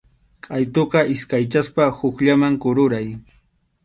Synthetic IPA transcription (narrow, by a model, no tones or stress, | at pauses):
kʼajt̪oqɑʔɪskajt͡ʃaspahʊkʎamaŋkʊɾʊɾaj